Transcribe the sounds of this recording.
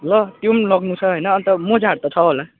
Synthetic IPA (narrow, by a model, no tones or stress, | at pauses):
lʌt̪jumlʌɡnut͡sʰʌɦojnʌːnt̪ʌmod͡zaɽt̪ʌt͡sʰʌɦola